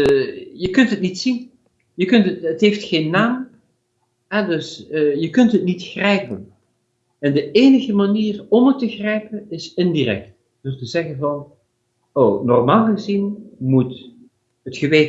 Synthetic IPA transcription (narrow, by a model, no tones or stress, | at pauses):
jəkɵntɦətnitsin | jəkɵntətətɦejftχeːnːaːm | ɦɛdɵsjəkɵntɦətnitxrɛjpən | ɛndəeːnəɣəmaniːrɔmətːəxrɛjpənɪsɪndirɛ̰k̚t | d̥østəzɛχənvɑn | ownɔ̰rmaːlˠχəzinmut | ɦətχəʋeː